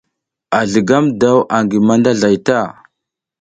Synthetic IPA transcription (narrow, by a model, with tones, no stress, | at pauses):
a˨ɮə˨ɡa˦mda˦wʔa˨ŋɡi˨ma˦nda˦ɮa˨jta˦˨